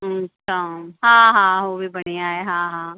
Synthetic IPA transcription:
aɦãːɦãɦoːʋibɐneaːeɦãːɦãː

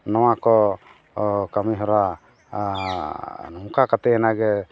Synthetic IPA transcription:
nɔwakɔ | kamiɦɔɾa | nɔmkakat̪ɛɛnaɡɛ

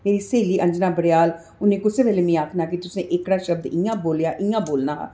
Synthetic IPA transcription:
meːɾiːseːliːʔə̃ɲd͡ʒnaːbəɽɪjaːl | ʊnẽːkʊseːʋeːleːmĩːaːkʰnaːkɪt̪ʊsẽːʔɪkɽaːʃəb̚d̪ɪjãːboːljaːʔɪjãːboːlnaːɦa̰ː

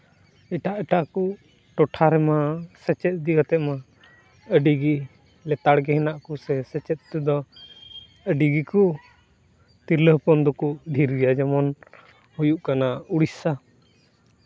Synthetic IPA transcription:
ɛʈaʔɛʈaku | ʈɔʈʰaɾɛmasɛt͡ʃɛt̪̚ˀd̪iɡat̪ɛʔ̪ma | əɖiɡi | lɛt̪aɽɡɛɦɛnaʔkusɛsɛt͡ʃɛt̪̚t̪ɛd̪ɔ | əɖiɡikɔ | t̪iɾləhpɔnd̪ɔkuɖʱiɾɡɛjad͡ʒamɔn | hujuʔkanauɽisa

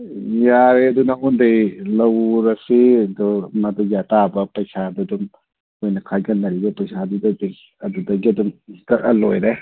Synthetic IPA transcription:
jaɾeɐdunaundejlɐwɾɐsidumɐdujatabɐpɐjsadɐdum | ojnɐkʰaɡɐnɐɾibɐpɐjsadudɐdi | ɐdudɐɡiɐdumtɐɾɐlojɾe

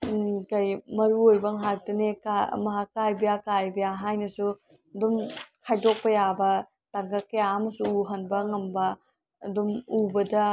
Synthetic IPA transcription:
kɐjmɐɾuojbɐŋɦak̚tɐnekamɐɦakːajbɐjakajbɐjaɦajnɐsu | dumkʰajdok̚pɐjabɐ | taŋɡɐkɐjamɐsuuɦɐnbɐŋɐmbɐ̰ː | dumubɐdɐ

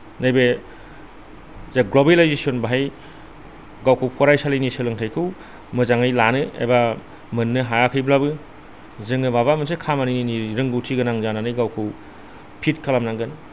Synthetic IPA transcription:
najbe | zaɡlobelajzesionbaɦaj | ɡawkʰɯwpʰɔɾajsalijnisɯlɯŋtʰajkʰɯw | mɯzaŋajlanɯḛba | mɯnːɯɦajakʰɯjblabɯ | zɯŋɯbaβamɯnsekʰamanininiɾɯŋɡɯwtʰiɡɐnaŋzananɯjɡawkʰɯw | pʰitkʰalamnaŋɡɯn

